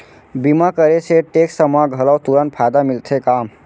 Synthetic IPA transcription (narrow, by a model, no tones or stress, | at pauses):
bimakəɾeseʈeksəmaɡʱələwt̪uɾənpʰajd̪amilt̪ʰekam